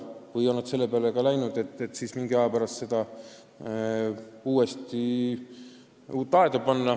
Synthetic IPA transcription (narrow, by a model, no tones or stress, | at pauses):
vɯjo̞nːɑd̪se̞lːe̞peɑlekɑlæjnud̪̥e̞t̪ːˑet̪ːsiːsmiŋɡiɑjɑpæɾɑst̪se̞d̪̥ɑ | uːe̞st̪i | t̪ɑed̪ɑpɑnːɑ